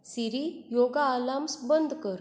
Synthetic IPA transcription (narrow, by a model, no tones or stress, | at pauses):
siɾijoɡaːlamsbənd̪ʱkəɾ